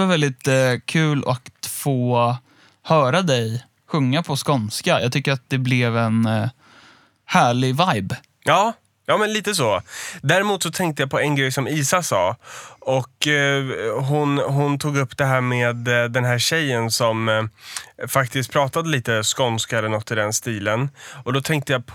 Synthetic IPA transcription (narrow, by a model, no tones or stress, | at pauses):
vaɾvɛld̪ɪt̪kʰʉ̟ːlakfoː | hœːɾad̪ɛj | ɧɵŋːapʰɔskɔnskajɑ̰ːt̪ʰʏkːəɾat̪̚d̪ɛblɛvɛn | hæːɭɪvajb | jɑː | jɑːmɛnliːt̪əs̬oːd̪æːɾɪmuːt̪sɔt̪ʰɛŋkt̪əjapʰɔɛnɡɾɛjːsɔmiːsasɑ̰ːɔk | ɦʊnɦʊnt̪ʰuːɡɵpːd̪ɛɦæːɾmeːd̪d̪ːɛnɦæːɕɛjːənsɔm | fak̚t̪ɪst̪̚pʰɾɑːt̪ad̪əliːt̪əskɔnskaɛlːənɔt̪ːɪd̪ɛnst̪iːlənɔd̪ɔt̪ʰɛŋk̚t̪əjapʰ